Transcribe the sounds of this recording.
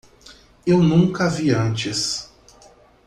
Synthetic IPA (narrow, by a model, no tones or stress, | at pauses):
ewnũŋkɐviɐ̃nt͡ʃɪs